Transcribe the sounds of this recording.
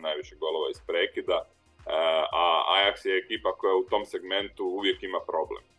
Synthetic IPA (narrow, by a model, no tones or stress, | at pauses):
najʋiʃeɡo̞loʋaispɾeːkid̪a | aa̰jaksjeːkiːpako̞jaut̪o̞mse̞ɡme̞nt̪uuʋje̞kimapɾo̞blḛm